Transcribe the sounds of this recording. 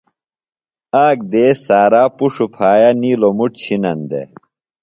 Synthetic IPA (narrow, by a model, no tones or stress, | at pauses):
aːkd̪eːsaːɾaːpuʂupʰaːjaniːlomuʈ̚t͡ɕʰinɐnd̪ḛ